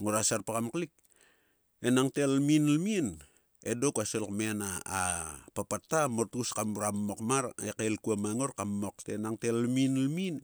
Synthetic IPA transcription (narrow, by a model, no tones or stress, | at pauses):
ŋoɾasaɾpakamklik̚ | enaŋtelminlmin | edokaselkmenaːpapatːamoɾtuskamɾammokmaɾekelkuamaŋoɾkammoktenaŋtellminlmin